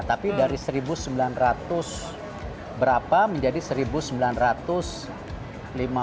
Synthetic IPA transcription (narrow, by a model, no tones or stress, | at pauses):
t̪apidaɾisəɾibusəmbilanrat̪ʊs | bəɾapaməɲd͡ʒadisəɾibusəmbilanrat̪ʊs | lima